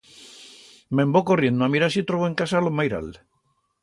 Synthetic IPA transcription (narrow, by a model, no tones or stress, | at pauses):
mẽmbokorje̞nd̪oamiɾasit̪ɾoβoeŋkasalomajɾa̰l